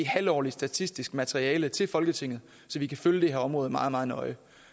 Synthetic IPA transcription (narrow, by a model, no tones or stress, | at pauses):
ihælɒ̰ːlisd̥æt͡sʰisd̥isɡ̥mæt͡sʰeʁiɛːlət͡sʰe̝lfɒ̽lɡ̥ət͡sʰe̝ŋ̰ð̩ˠ | sɒ̽ʋikʰæføljəd̥eheɐɒ̽mʁɔ̽ːð̩ˠmɑ̈ːð̩ˠmɑ̈ːð̩ˠnɒ̽ɪ